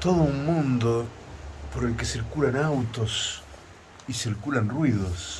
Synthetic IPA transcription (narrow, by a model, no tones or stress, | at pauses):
t̪oðouŋmũnd̪o | poɾelkesiɾkulanawt̪os | isiɾkulanrwiðos